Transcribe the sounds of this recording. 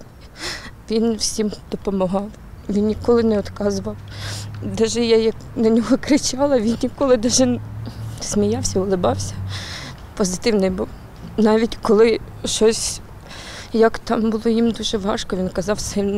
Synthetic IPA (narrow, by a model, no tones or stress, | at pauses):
ʋʲinwsʲimd̪̥ɔpɔmɐɦɑw | ʋʲinnʲikɔlˠɪnɛɔt̪kɑzʊʋɐwd̪ɛʒɛjajɐknɐnʲɔɦɔkɾɪt͡ʃɑlˠɐʋʲinnʲikɔlˠɪd̪ɛʒɛn | smʲijɑwsʲɐʊlˠɪbɑwsʲɐ | pɔzɪt̪ɪwnɪjbuw | nɑʋʲitʲkɔlˠɪ | ʃɔsʲ | jɐkt̪ɑmbʊlˠɔjimd̪uʒɛʋɑʃkɔʋʲinkɐzɑwsɪ